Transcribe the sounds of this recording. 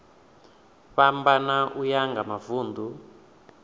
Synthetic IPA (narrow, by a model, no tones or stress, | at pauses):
βambanaʔujaŋɡamavuːndʱu